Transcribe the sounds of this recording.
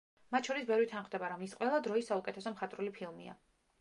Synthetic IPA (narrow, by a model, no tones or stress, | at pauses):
mat̪̚ʰʃʰɔɾisbɛɾwit̪ʰanχvd̪ɛbaɾamisqʼwɛlˠad̪ɾɔisːaukʼɛt̪ʰɛsɔmχat̪ʼɾulipʰilˠmḭa̰